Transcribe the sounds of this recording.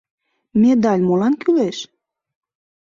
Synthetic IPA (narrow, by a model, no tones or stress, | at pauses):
med̪ɑlʲmolɑnkyleʃ